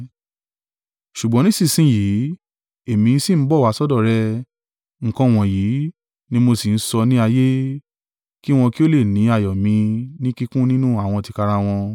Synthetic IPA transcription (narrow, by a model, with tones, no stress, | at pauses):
ʃu˨ɡ͡bɔ̃˨˦nĩ˦sĩ˦˨sĩ˦ji˨˦ | e˦˨mĩ˧n̩˦si˦˨m̩˨˦bɔ˦˨wa˨˦sɔ˦dɔ˦˨ɾɛ˦ | ŋ̩˨kɔ̃˧w̃ɔ̃˨jiː˨˦ | nĩ˦mo˧si˨n̩˦sɔ˧nĩ˦a˧je˦ | ki˦w̃ɔ̃˧ki˦o˦le˦˨nĩ˨˦a˨jɔ˨mĩ˧nĩ˦ki˦kũ˦nĩ˦nũ˦a˦˨w̃ɔ̃˧ti˧ka˧ɾa˧w̃ɔ̃˧